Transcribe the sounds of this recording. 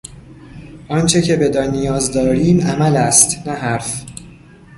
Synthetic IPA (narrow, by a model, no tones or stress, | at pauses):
ʔɒːnt͡ʃʰe̞cʰe̞be̞d̪ɒːnijɒːzd̪ɒːɾiːmæmælæst̪næɦæɾf